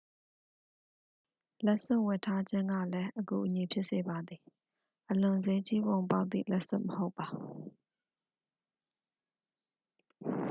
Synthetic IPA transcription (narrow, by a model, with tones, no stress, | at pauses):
lɛ˦ʔsʊ̰̃˦ʔwɛ˨tʰa˦d͡ʑɪ̃˦ŋɡä̰˦˨lɛ˦ʔəɡu˨ʔəɲi˨pʰjɪ˦ʔse˨ba˨d̪i˨ | ʔəlʊ̃˨ze˦t͡ɕi˦bõ˨ʊ̃mp̬a˦ʊt̪θḭ˦˨lɛ˦ʔsʊ̰̃˦ʔməho˦ʊpːa˨